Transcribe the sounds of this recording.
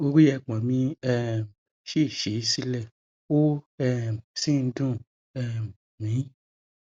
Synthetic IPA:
o˧ɾi˦jɛ˧˨k͡pɔ̃˨mĩ˧ɛ˦˨ | ʃi˦˨ʃe˨˦si˦lɛ˦˨ | o˦ɛ˧˨sĩ˦˨n̩˦dũ˦˨ | ɛ˧˨ | mĩ˨˦

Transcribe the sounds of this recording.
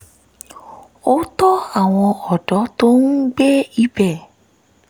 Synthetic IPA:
o˦tɔ˦a˦˨w̃ɔ̃˧ɔ˨dɔ˨˦to˦n̩˦ɡ͡be˦i˦bɛ˦˨

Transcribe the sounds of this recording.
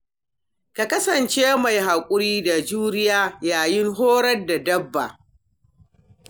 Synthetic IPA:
ka˨kɐ˦sɐ˨nt͡ʃeː˦ma˨jha˨kʷʼʊ˦ɾiː˦da˨d͡ʒuː˦ɾɪ˦jaː˦jaː˨jɪ˦ŋɦoː˦ɾɐ˦rda˨dɐ˦bːa̰˨

